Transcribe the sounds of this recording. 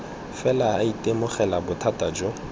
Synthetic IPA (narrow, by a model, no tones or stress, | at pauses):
fɛlaaitʼemʊχɛlabʊtʰatʼad͡ʒɔ